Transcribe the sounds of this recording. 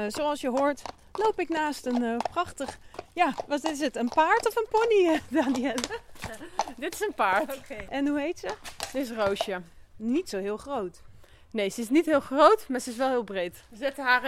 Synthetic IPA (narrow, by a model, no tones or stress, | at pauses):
zowɑlˠsjəɦʊːɹt | lowpɪknaːstənprɑχtəχjaːʋɑnɪs̬ətənpaːɹtɔfənpɔnidaːniɛl | dɪtɪ̥sənpaːɹtʔɛnɦuɦejtsəsəɪs̬rowʃənitsowɦɪːlˠχrowt | nejsəɪsnitɦɪːlˠχrowtmaːɹzəɪs̬ʋɛlˠɦɪːlˠbrejtzɛtəɦaː